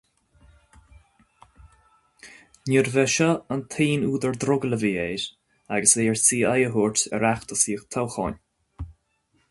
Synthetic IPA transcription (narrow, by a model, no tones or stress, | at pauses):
niɹvɛʃɔənt̪ʰiːnuːd̪əɹd̪ɾʊɡələviːeːɾ | aɡəsveːɛɹsiːajəɦuːɹtɛ̰ɾaxt̪əsiːxt̪ʰawxɔ̰n